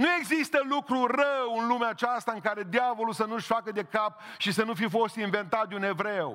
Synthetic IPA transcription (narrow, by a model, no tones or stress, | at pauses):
nue̞ɡzist̪əlukɾurəwɨnlumeat͡ʃast̪aɨŋkaɾe̞d̪javo̞lulsənuʃʲfakəd̪e̞kap̚ʃisənufifo̞st̪inve̞nt̪at̪̚d̪ʲune̞vɾew